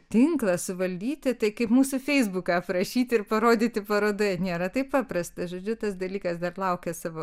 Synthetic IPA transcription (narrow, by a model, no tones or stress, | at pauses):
t̪ʲɪŋklˠɐsʊʋɐlʲd̪ʲiːt̪ʲɪt̪ɐɪkɐɪpmuːsʊfʲɛɪzbʊkɑːprɐʃʲiːt̪ʲɪrpɐɾoːd̪ʲiːt̪ʲɪpɐɾoːd̪ɐnʲeːɾɐt̪ɐɪppɑːpɾɐst̪ɐʒoːd͡ʒʲʊt̪ɐsd̪ɐlʲiːkɐsd̪ɐrlˠɐʊkʲɛsɑːʋoː